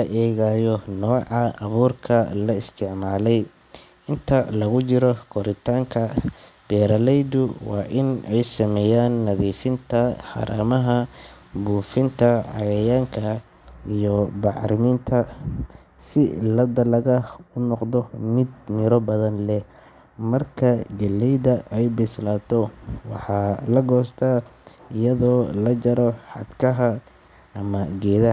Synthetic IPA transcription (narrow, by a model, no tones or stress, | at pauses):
lɐʔɛːɣaːjɔnɔːʕɑɐβuːrkʰɐlɐɪst̪ʰɪʕmaːlɛj | ɪnt̪ʰɐlɐɣʊt͡ʃɪɾɔkʰɔɾɪt̪ʰaːŋkʰɐ | b̥ɛːɾɐlɛjd̪ʊwɑ̰ːʔɪnɛjsɐmɛːjaːnːɐðiːfɪnt̪ʰɐħɑ̰ɾʔa̰ːmɐɦɐ | buːfɪnt̪ʰɐɑ̰ɣɐjaːŋkʰɐ | ijɔbɑʕɾɪmɪnt̪ʰɐ | sɪlɐd̪ɐlɐɣɐʊnɔqd̪ɔmɪd̪̚mɪɾɔbɐðɐnlɛ | mɐrkʰɐɡɐlːɛjd̪ɐʔɛjbɪslaːt̪ʰɔwɑħɑːlɐɡɔːst̪ʰaːɪjɐðɔːlɐd͡ʒɐɾɔħɑ̰d̪kʰɐɦɐ | ʔɐmɐɡɛːðɐ